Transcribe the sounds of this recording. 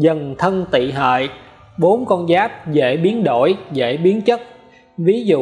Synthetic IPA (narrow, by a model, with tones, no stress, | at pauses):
zə˨˩nt̪ʰə˧nt̪ḭ˧˨ɦə̰ː˧˨j | ɓo˨˦nkɔ˧nzaː˦˥p̚zḛ˧˥ɓi˨˦ənɗo̰˧˩jzḛ˧˥ɓi˨˦ənt͡ɕə˦˥t̚ | vi˨˦zṵ˧˨